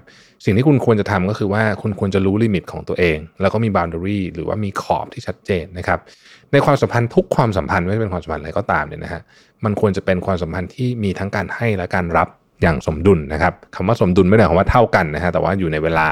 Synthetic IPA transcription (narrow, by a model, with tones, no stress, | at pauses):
si˨˩ŋt̪iː˥˩u˧nkʰu˧nt͡ɕa˨t̪ʰa˧mkɔː˥˩kʰɯː˧waː˥˩kʰu˧nkʰu˧ənt͡ɕa˨˩ɾuː˦˥liː˧mi˨˩t̪̚kʰɔː˩˦ŋt̪u˧ɐʔeː˧ŋlɛː˧˦˥wkɔː˥˩iː˧baː˧ndə˧ɾiː˥˩ɾɯː˩˦wa̰ː˥˩miː˧kʰɔ̰ː˨˩p̚t̪ʰiː˥˩t͡ɕʰa˦˥t̪̚t͡ɕeː˧nːa˦˥kʰa˦˥p̚ | na˧jkʰwaː˧msa˩˦mpʰa˧nt̪ʰu˦˥kʰːwaː˧msa˩˦mpʰa˧nma˥˩t͡ɕa˩pe˧nkwaː˧sa˨˦pʰa˧n˧a˧jkɔː˥˩t̪aː˧mnḭ˧˥˩na˦˥kʰa˦˥ | ma˧nkʰu˧ənt͡ɕa˨˩pe˧nkʰwaː˧ms̬a˨˩˦mpʰa˧nt̪ʰiː˥˩miː˧t̪ʰa˦˥ŋkaː˧nha˥˩jlɛ˦˥kaː˧nɾa˦˥p̚ | jaː˨˩ŋso˩˦mdu˧nːa˦˥kʰa˦˥p̚kʰa˧˩mwaː˥˩so˩˦mdu˧nm˥˩jɾa˦˩kɔ˧˦waː˥˩t̪ʰa˥˩wka˧nːa˦˥kʰa˦˥t̪ɛː˨˩wa̰ː˥˩juː˨˩na˧jweː˧laː˧